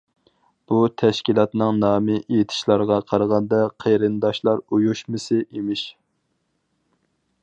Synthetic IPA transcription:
b̥ut̪ʰɛʃkʲilˠɑt̪nɨŋnɑːmɨʔejet̪ʰɪ̥ʃlˠɑɾʁɑqʰɑɾəʁɑnd̪ɑqʰeɾɨnd̪ɑʃlˠɑɾujuʃmɨsɨʔemɪʃ

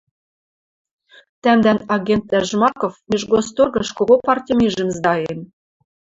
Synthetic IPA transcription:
t̪æmd̪ænɑɣʲent̪̚ːæʒmɑkofiʒɡost̪orɣɤ̆ʃkoɣopɑrtʲimiʒɘ̆mzd̪ɑjenʲ

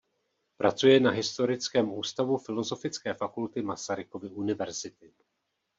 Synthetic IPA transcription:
pɾʔat͡sujɛnaɦɪst̪o̞ɾɪt͡skɛːmuːst̪avufɪlo̞zo̞fɪt͡skɛːfakult̪ɪmasaɾɪkovɪʔunɪvɛɾz̥ɪt̪ɪ

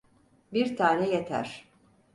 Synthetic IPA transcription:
biɾt̪ʰaːnɛjet̪ʰæ̰ɾ̥

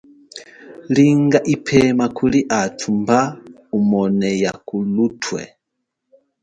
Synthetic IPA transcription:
liŋɡaʔipʰɛmakʰuliʔatʰumba | umɔnɛjakulutʰwɛ̰

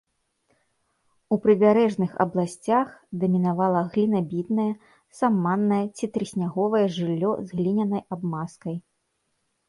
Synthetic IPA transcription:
upɾɨbʲaɾɛʐnɨxɐ̰blˠasʲt͡sʲaxd̪ɐmʲinavalˠɐɣlʲinɐbʲid̪nɐjɐ | samːanːɐjɛt͡sʲit̪ɾɨsʲnʲaɣɔvɐjɛʐɨlʲːɔ̰zɣlʲinʲɐnɐjabmaskɐj

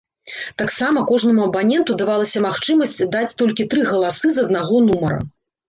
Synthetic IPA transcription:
t̪aksamɐkɔʐnɐmuɐbanʲɛnt̪ud̪avalˠɐsʲɐmaxt͡ʂɨmɐsʲt͡sʲd̪at͡sʲt̪ɔlʲkʲit̪ɾɨɣɐlˠasɨzɐd̪naɣɔnumɐɾɐ̰

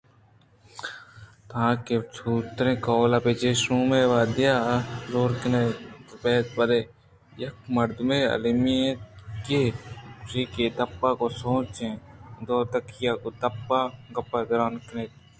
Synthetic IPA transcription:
t̪ʰãːket͡ʃʰuːt̪ɾẽːkoːlaːpeːt͡ʃeːsuːmeːʋaːd̪ɪjaːzoːɾknepeːt̪bəd̪eː | jɐkmɐɾd̪mẽːɐ̰limiẽkeːsiːkeːt̪ɐpːaːkosoːt͡ʃẽːd̪oːt̪ɐkjaːkoːt̪ɐpːaːɡɐpːaːd̪ɐɾaːnkneːt̪

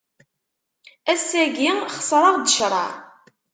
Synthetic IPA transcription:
æsːæɡiχə̥sˤɾˤɑʁd̪əʃɾˤɑ̰

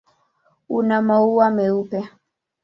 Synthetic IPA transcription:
unamauwamɛupɛ

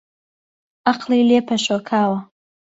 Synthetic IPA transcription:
ʔaqlˠileːpʰɐʃokʰaːwɐ

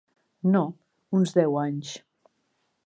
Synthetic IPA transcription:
no | unzðɛwaɲs

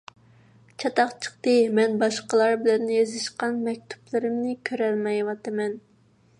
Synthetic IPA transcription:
t͡ʃʰɑt̪ɑqt͡ʃʰə̥χt̪ɨmɛnbɑʃqəlˠɑɾbɪlɛnːɪjezɪʃqɑnmɛk̚ʲt̪ʰu̥plˠɨɾɪmnɪkʲʰøɾɛlmɛjwɑt̪ɨmɛn

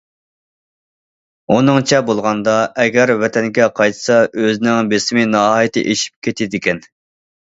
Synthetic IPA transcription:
unɨŋt͡ʃʰɛbolˠʁɑnd̪ɑɛɡʲɛɾvɛt̪ʰɛnɡʲɛqʰɑjt̪ʰsɑʔøzɪnɪŋbesɪmɪnɑɦɑjit̪ʰɪ̰ʔeʃi̥p̚kʲʰet̪ʰɪd̪ɪkʲɛn

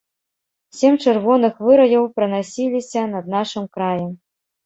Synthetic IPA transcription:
sʲemʲt͡ʂɨrvɔnɨxvɨɾɐjɐwpɾɨnasʲilʲisʲɐnɐd̪̚naʂɨmkɾajɐm

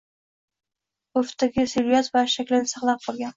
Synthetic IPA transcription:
oft̪aɡʲɪseɾijat̪vaʃakʲlɪnɪsɑqlˠap̚qʰɒlˠɡʲan

